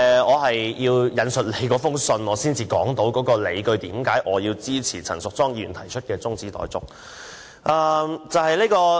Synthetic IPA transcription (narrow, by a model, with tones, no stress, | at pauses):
ɛ˨ɔː˨˧ɦɐ˨jjiː˧wjɐ˨˧nsɵ˨t̚le˨˧jkɔː˨˥fʊ˥ŋsɵ˧nɔː˨˧siː˥nt͡siː˨˧kɔː˨˥ŋt̪o˨˥wkɔː˨˥kɔː˧le˨˧jkɵ˧ɥt̪iː˨˥mkaː˨˥jʔɔː˨˧jiː˧wt͡siː˥t͡sʰiː˨˩t͡sʰɐ˨˩ŋsʊ˨˩k̚t͡sɔː˥ŋjiː˧˩y̰˨˩nt̪ʰɐ˨˩jt͡ʃʰɵ˥t̚kɛː˧t͡sʊ˥ŋt͡siː˨˥t̪ɔ̰ː˨˥jt͡sʊ̰˨k̚ | ʔɐː˨˧mt͡sɐ˨˧whɐ˨jli˥kɔː˧